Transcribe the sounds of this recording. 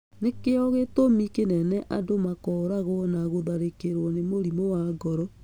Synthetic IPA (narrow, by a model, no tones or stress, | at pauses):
nekeɔɣetomikenɛnɛʔadomakɔɾaɣɔnaɣoðaɾekeɾwɔnemoɾimowaɡɔɾɔ